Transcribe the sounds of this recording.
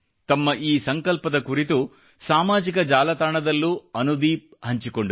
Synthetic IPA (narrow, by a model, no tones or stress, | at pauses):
t̪ɐmːɐʔiːsɐŋkɐlpɐd̪ɐkuɾit̪u | saːmaːd͡ʒikɐd͡ʒaːlɐt̪aːɳɐd̪ɐlːuːɐnud̪iːp̚hɐɲt͡ʃikoɳɖu